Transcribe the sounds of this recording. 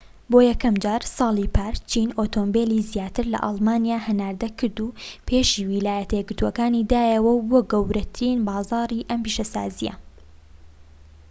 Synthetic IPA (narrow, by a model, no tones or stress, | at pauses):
boːjɛkɐmd͡ʒaːɾsɑːlˠipʰaːɾt͡ʃʰiːnot̪oːmbeːlizijaːt̪ɨɾlɐ̰ʔɑ̰lˠmaːnijaːhɐnaːɾd̪ɐkʰɨɾd̪upʰeːʃiwilaːjɐt̪ɐjɛɡɨɾt̪uokaːnid̪aːjɐwɐwboːɡɐwɾɐt̪ʰɨɾiːnbɑːzɑːɾiʔɐmpiːʃɐsa̰ːzijɐ̰